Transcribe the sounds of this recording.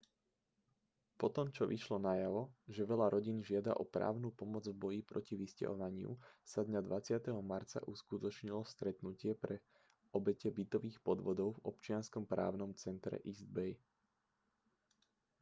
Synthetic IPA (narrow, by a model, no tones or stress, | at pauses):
pɔt̪ɔmt͡ʃɔʋiʃlɔnajaʋɔʒɛʋɛʎaɾɔɟinʒɪad̪a̰ʔɔpɾa̰ːʊnupɔmɔd͡zvbɔjipɾɔciʋisca̰ɦɔʋaɲɪṵsad̪ɲad̪ʋat͡sɪat̪ɛɦɔmaɾt͡sa̰ʔuskut̪ɔt͡ʃɲilɔst̪ɾɛt̪nucɪɛpɾɛ | ɔbɛcɛbit̪ɔʋiːxpɔd̪ʋɔd̪ɔʊvɔ̰pt͡ʃɪanskɔmpɾa̰ːʊnɔmt͡sɛnt̪ɾɛ̰ʔizd̪bɛj